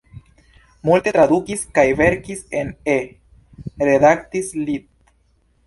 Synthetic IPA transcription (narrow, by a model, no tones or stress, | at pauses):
multe̞t̪ɾad̪ukiskajve̞ɾkise̞ne | ɾe̞d̪aktislit̪